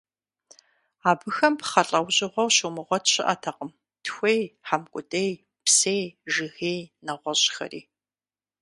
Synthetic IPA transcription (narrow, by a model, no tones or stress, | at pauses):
aːbɨxɐmpχɐɬʼɐwʑʼɪʁʷɔwɕumɨʁʷɔtʰɕɪ̰ʔɐtʰɐqəm | tʰxʷejħamkʷʼʊtʼej | psejʒɨɣejnɐʁʷɔɕxɐ̰rḭː